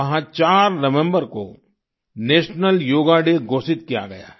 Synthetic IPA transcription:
ɐɦãt͡ʃaːɾnɐʋɛ̃mbəɾko̰ | neːʃnəljoːɡaɖeɡoːsɪt̪̚kija̰ɡɐ̰ja̰ː

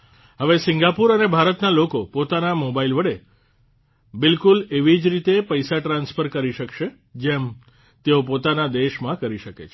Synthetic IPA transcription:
ɦəʋesɪŋɡapuɾənebʱaɾət̪nalokopot̪anamobailʋəɽe | bɪlkuleʋid͡ʒɾit̪epəjsaʈɾãnsfəɾkəɾiʃəkʃe | d͡ʒem | t̪eopot̪anad̪eʃmãkəɾiʃəkḛt͡ʃʰ

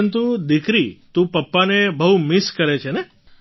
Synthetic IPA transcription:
ənt̪ud̪ikɾit̪ũpəpːanebəɦumɪskəɾet͡ʃʰene

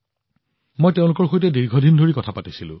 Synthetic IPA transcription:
mojteʊ̃lʊkɔɹxojtɛdiɹɡʱɔdindʱoɹikɔtʰapatisilʊ̰̃

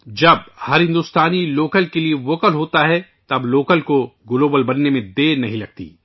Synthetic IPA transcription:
d͡ʒɐb̚hɐɾɦɪ̃nd̪ust̪aːniloːkəlkelieʋoːkəlɦoːt̪aɦɛ | t̪ɐbloːkəlkoɡʊloːbəlbɐnːemẽd̪eːnɐɦĩlɐɡ̚t̪ḭː

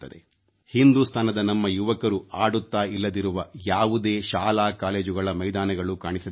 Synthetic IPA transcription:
t̪ːɐd̪ḛ | hind̪uːst̪ʰaːnɐd̪ɐnɐmːɐjuʋɐkɐɾuʔaːɽut̪ːaːilːɐd̪iɾuʋɐjaːʋud̪e̞ːʃaːlaːkaːle̞ːd͡ʒuɡɐɭɐmɐjd̪aːnɐɡɐɭukaːɳisɐd̪

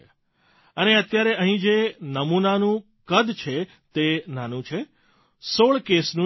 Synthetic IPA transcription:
əneət̪jaɾeəɦĩd͡ʒenəmunanũ | kəd̪t͡ʃʰe | t̪enanũt͡ʃʰe | soɭkesnũ

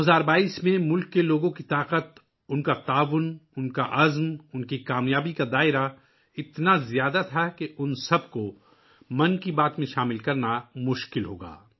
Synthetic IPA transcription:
oɦɐzaːɾbaːiːsmẽmʊlkːeloːɡõkit̪aːqət̪ | ʊnkat̪aːʋʊnʊnkaʔɐzmʊnkikaːmjaːbikad̪aːɪɾa | ɪt̪nazjaːd̪at̪ʰakeʔʊnsɐbko | mɐnkibaːt̪mẽʃaːmɪlkɐɾnamʊʃkɪlɦo̰ːɡa̰ː

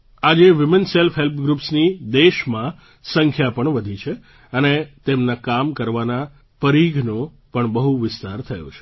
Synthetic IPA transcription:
ad͡ʒeʋɪmenselfɦelpʰɡɾupsnid̪eʃmã | səŋkʰjapəɳʋəd̪ʱit͡ʃʰe | ənet̪emnakamkəɾʋana | pəɾiɡʱno | pəɳbəɦuʋɪst̪aɾt̪ʰəjo̰t͡ʃʰe̥

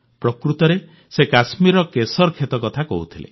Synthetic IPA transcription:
pɾɔkɾut̪ɔɾe | sekasmiɾɔkesɔɾkʰet̪ɔkɔt̪ʰakɔ̰ɦut̪ʰilḛ

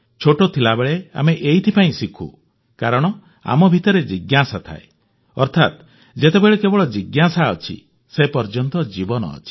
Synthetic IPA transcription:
t͡ʃʰoʈot̪ʰilabeɭea̰meʔejt̪ʰipaĩsikʰṵ | kaɾɔɽ̃ɔ | a̰mɔbʱit̪ɔɾed͡ʒiɡjasat̪ʰa̰e | ɔɾt̪ʰa̰t̪ | d͡ʒet̪ebeɭekebɔɭɔd͡ʒiɡjasaɔt͡ʃʰḭ | sepɔɾd͡ʒɔnt̪ɔd͡ʒibɔnɔ̰ːt͡ʃʰi̥

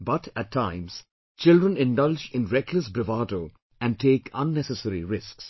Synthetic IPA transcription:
bʌʈæʈtʰːãɪ̃ms | t͡ʃɪlɖɾə̃nɪ̃nɖʌld͡ʒɪ̃nɾɛkʰləsbɾɪʋaʈoː | æ̃nɖʈʰeːkʰʌ̃nːɛsəsəɾiɾɪsks

